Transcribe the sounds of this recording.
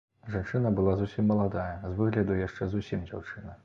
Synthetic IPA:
ʐant͡ʂɨnɐbɨlˠazusʲimːɐlˠad̪ajɐzvɨɣlʲɐd̪ujaʂt͡ʂɛzusʲimd͡zʲawt͡ʂɨnɐ

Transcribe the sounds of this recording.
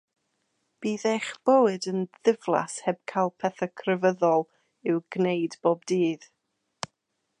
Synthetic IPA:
b̥iːðeχb̥owɨdənðɪvlˠa̰shɛb̥̚kʰajlˠpʰɛθəkʰrəvəðɔlˠ | ɪwɡnejdb̥oːbdiːð̥

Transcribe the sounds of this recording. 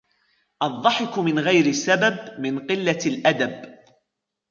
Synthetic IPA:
ʔɑðˤːɑħɪkʊmɪnɣajɾɪsːababmɪnqɪlːalʔad̪ab

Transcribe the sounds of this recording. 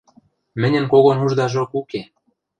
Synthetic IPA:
mɘ̆nʲə̆nkoɣonuʒd̪ɑʒokuke

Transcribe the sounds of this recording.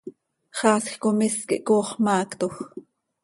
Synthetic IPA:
χɑːsxkomiskḭʔkoːχmɑːkt̪ox

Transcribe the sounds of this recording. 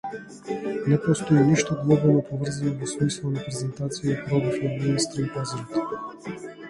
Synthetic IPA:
nɛpɔst̪oɛniʃt̪oɡlˠɔvonɛpovəɾzɐnovosmislˠənɐpɾɛzɛnt̪at̪sijəpɾɔd̪ifɛminist̪ɾəipazɛɾit̪ɛ̥

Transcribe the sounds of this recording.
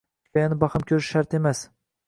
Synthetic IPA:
ɒjanɪbɑχɪmkʲʰɵɾɪʃːaɾt̪e̞mas

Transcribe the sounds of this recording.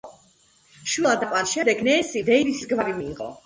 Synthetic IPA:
ʃwilˠad̪akʼwanʃɛd̪ɛɡnɛːsid̪ɛivit̪ʰi̥sɡvaɾimiːqʼɔ̰

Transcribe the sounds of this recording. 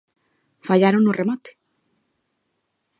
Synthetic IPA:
faʎaɾonoremat̪e̥

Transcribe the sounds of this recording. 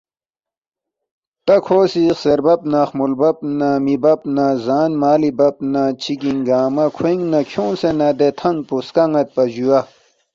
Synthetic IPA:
t̪ɐkʰoːsixseɾbɐpnaxmulbɐp̚namibɐpnazaːnmaːlibɐp̚nat͡ɕʰikĩŋɡaːmɐkʰweŋnɐkʰjõːnsenɐd̪et̪ʰɐŋ̚puskɐŋɐt̪̚pɐʑua

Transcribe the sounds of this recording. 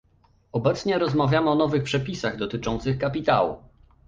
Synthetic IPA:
ɔbɛt̪sɲɛɾɔzmavʲjamɘɔnɔvɘxpʂɛpʲisaɣd̪ɔt̪ɘt͡ʂɔnt̪sɘxkapʲit̪awṵ

